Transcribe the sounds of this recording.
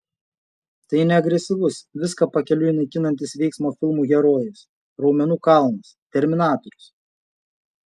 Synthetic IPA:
t̪ɐɪnʲɛɐɡɾʲɛsʲɪʋʊsʋʲɪskɐpɐkʲɛlʲʊinɐɪkʲɪnɐnʲt̪ʲɪsʋʲɛɪksmoːfʲɪlˠmuːɣʲɛɾoːjɪs | ɾɒʊmʲɛnuːkɐlˠmɐst̪ʲɛɾʲmʲɪnɑːt̪ɔɾʲʊs

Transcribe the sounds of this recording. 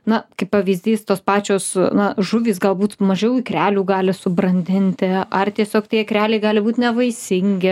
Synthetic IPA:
nɐkɐɪppɐʋʲiːzʲd̪ʲiːst̪oːspɑːt͡ʃʲoːsnɐʒʊʋʲiːsɡɐlˠbuːt̪mɐʒʲɛʊikɾʲæːlʲuːɡɑːlʲɪsʊbɾɐnʲd̪ʲɪnʲt̪ʲɪɐrt̪ʲiɛsʲoːkt̪ʲiɛkɾʲæːlʲɛɪɡɑːlʲɪbuːt̪nʲɛʋɐɪsʲɪŋʲɡʲɪ

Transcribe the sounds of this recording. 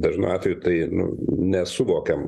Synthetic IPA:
d̪ɐʒnɐɑːt̪ʲʋʲɛjut̪ɐɪnʊ̰nʲɛsʊʋoːkʲɛm

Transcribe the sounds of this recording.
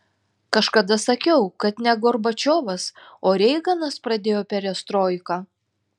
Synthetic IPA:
kɐʃkɐd̪ɐsɐkʲɛʊkɐt̪nʲɛɡɔɾbɐt͡ʃʲoːʋɐsoːɾʲɛɪɡɐnɐspɾɐd̪ʲeːjoːpʲɛɾʲɛst̪ɾoːɪkɑː

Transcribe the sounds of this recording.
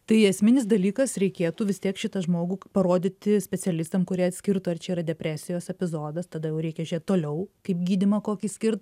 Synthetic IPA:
t̪ɐɪɐsʲmʲɪnʲɪsd̪ɐlʲiːkɐsɾʲɛɪkʲeːt̪uːʋʲɪst̪ʲiɛkʃʲɪt̪ɐʒmoːɡupɐɾoːd̪ʲɪt̪ʲɪsʲpʲɛsʲɛlʲɪst̪ɐmkʊɾʲiɛɐt̪sʲkʲɪrt̪oɐrt͡ʃʲɛiːɾɐd̪ʲɛpʲɾʲæːsʲɪjoːsɛpʲɪzoːd̪ɐst̪ɐd̪ɐjɛʊɾʲɛɪkʲɛʒʲɾʲeɛt̪t̪oːlʲɛʊkɐɪpɡʲiːd̪ʲɪmɐkoːkʲisʲkʲɪrt̪

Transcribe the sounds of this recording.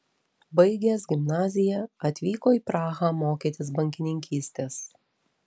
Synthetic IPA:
bɐɪɡʲeːs̬ɡʲɪmnɑːzʲɪjɛɐt̪ʲʋʲiːkoːiːpɾɑːɣamoːkʲit̪ʲɪs̬bɐŋʲkʲɪnʲɪŋʲkʲiːsʲt̪ʲeːs

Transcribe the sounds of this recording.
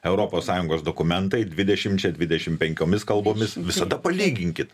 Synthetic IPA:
ɛʊɾoːpoːssɑːjʊŋɡoːsd̪oːkʊmʲɛnt̪ɐɪd̪ʲʋʲɪd̪ʲɛʃʲɪmt͡ʃʲɛd̪ʲʋʲɪd̪ʲɛʃʲɪmpʲɛŋʲkʲoːmʲɪskɐlˠboːmʲɪsʋʲɪsɐd̪ɐpɐlʲiːɡʲɪŋʲkʲɪt̪

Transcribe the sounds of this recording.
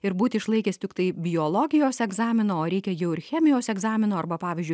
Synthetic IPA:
ɪɾbuːt̪ʲɪɪʃlˠɐɪkʲeːst̪ʲɪkt̪ɐɪbʲɪjoːlˠoːɡʲɪjoːsɛɡzɑːmʲɪnoːoːɾʲɛɪkʲɛjɛʊɪɾxʲɛːmʲɪjoːsɛɡzɑːmʲɪnoːɐɾbɐpɑːʋʲɪːzʲd͡ʒʲʊɪ

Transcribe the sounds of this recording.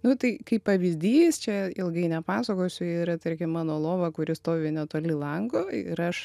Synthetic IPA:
nʊt̪ɐɪkɐɪppɐʋʲizʲd̪ʲiːst͡ʃʲɛɪlˠɡɐɪnʲɛpɑːsɐkoːsʲʊiɪɾɐt̪ɐɾʲkʲɪmmɑːnoːlˠoːʋɐkʊɾʲɪst̪oːʋʲɪnʲɛt̪oːlʲɪlˠɐŋɡoɪɾɐʃ

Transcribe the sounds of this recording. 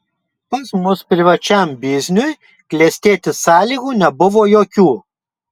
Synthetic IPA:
pɐsmʊspʲɾʲɪʋɐt͡ʃʲɛmbʲɪzʲnʲʊj | klʲɛsʲt̪ʲeːt̪ʲɪsɑːlʲiːɡuːnʲɛbʊʋoːjoːkʲuː

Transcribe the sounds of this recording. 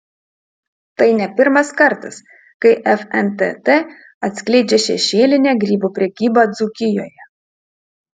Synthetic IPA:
t̪ɐɪnʲɛpʲɪɾmɐskɐɾt̪ɐs | kɐɪʔɛfɛnt̪ʲɛ̰t̪e | ɐt̪ʲsʲklʲɛɪd͡ʒʲɛʃʲɛ̰ʃʲeːlʲɪnʲeːɡɾʲiːbupʲɾʲɛkʲiːbɑd̪zukʲɪjoːjɛ

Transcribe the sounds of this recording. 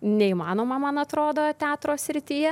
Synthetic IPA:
nʲɛiːmɑːnoːmɐmɐnɐt̪ɾoːd̪oːt̪ʲæːt̪ɾoːsʲsʲɾʲɪt̪ʲiːjɛ

